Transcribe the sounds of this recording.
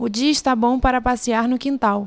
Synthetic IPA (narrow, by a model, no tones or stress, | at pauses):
ʊd͡ʒiɐɪʃt̪abõw̃paɾɐpasiaɾnʊkĩnt̪aw